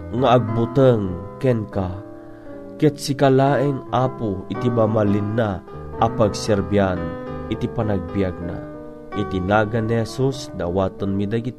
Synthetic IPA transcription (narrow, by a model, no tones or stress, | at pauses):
ŋaːɡ̚but̪əŋkɛnka | kɛt̪sikalaːʔiŋʔaːpuit̪ibamalinːa | ʔapaɡsɛɾbianit̪ipanaɡ̚bijaɡ̚na̰ | ʔit̪inaːɡanːihɛsusd̪awaːt̪ənmid̪aɡit̪